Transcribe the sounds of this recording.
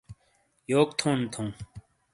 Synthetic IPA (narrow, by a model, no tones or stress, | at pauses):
joːkt̪ʰõːnt̪ʰũː